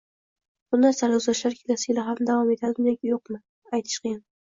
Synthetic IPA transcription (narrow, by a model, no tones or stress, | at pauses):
bʊnd̪ansaɾzlaʃlaɾkʲʰelasɪɪlaɦamd̪avɒme̞t̪ʰazɪmnakʲjoq̚mɪ | ajt̪ʰɪ̥ʃqeɡʲɪn